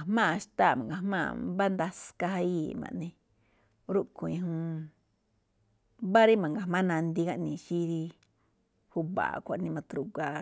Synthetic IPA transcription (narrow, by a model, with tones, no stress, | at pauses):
a˨mã˦˨ʃt̪a˦˨mã˨ɡa˨mã̰ː˦˧ba˦nd̪a˧ska˧ha˧ji˨mã̰˨ʔnẽ˧ | ɾu˦ʔkũ˨ĩ˧ɦũ˧ | ba˦ɾi˦mã˨ŋɡa˨mã˦nã˧nd̪i˧ɡa˧ʔnĩ˨ʃi˦ɾi˧ | hu˧˦βa̰˨kʷa˨ʔnĩ˧mã˧t̪ɾu˧ɡa˧